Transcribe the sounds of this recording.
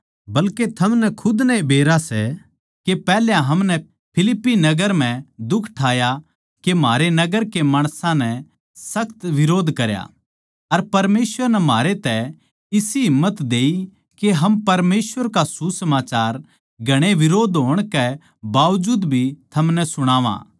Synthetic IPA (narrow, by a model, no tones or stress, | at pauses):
bɐlket̪ʰɐmnɛkʰʊd̪nɛebʱeːɾasɛ̰ | kepɛːljãɦɐmnɛ | pʰɪlɪpːinɐɡəɾm̤ɛ̃d̪ʊkʰʈʰaːja | kemaːɾenɐɡəɾkemaːɽ̃sãnɛ | sɐkʰt̪ʋɪɾoːd̪kɐɾja̰ | ɐɾpɐɾmeːsʋəɾnɛmaːɾet̪ɛ | ɪsiɦɪmːət̪d̪eːi | keɦɐmpɐɾmeːsʋəɾkasusɐmaːt͡ʃaːɾ | ɡʱɐɽ̃eʋɪɾoːd̪ɦoːəɽ̃kɛ | baːʋd͡ʒuːd̪bʱit̪ʰɐmnɛsʊɽ̃aːʋã̰ː